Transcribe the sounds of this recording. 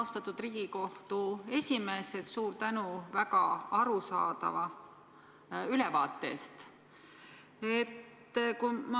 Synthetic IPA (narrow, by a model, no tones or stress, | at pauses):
wst̪ɑt̪ːˑud̪riːɡ̥iko̞ht̪ue̞sʲime̞ːset̪suːɾt̪ænuvækɑɑɾusɑ̰ːd̪̥ɑ̰vɑ | ylɛvɑːt̪ːˑe̞̰ːst̪ | e̞t̪ː | kumɑ